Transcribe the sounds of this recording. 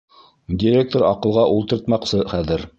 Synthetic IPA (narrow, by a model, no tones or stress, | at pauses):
dʲiɾʲek̚t̪oɾɑqɤ̆lˠʁɑʔulˠt̪ɤ̆ɾt̪mɑqsɤχæðɘɾ